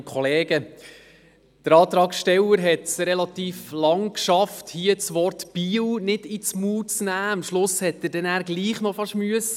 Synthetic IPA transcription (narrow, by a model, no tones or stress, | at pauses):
kʰχɔleːɡ̥ə | d̥əɾɑːt̪ɾɑːksʃtɛwəɾɦɛtsɾɛlɑt̪iːflɑŋkʃɑfthiət͡sʋɔɾtb̥iːwnɪd̥it͡smuːt͡snæːɑmʃlʊshɛt̚ːədɛnæːɾɡliːχnɔfɑʃmyəs